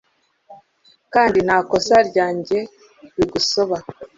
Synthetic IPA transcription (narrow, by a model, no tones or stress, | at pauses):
kaːndinhaːko̞saɾɟaːɲɟe̞ | ɾiɡuso̞βa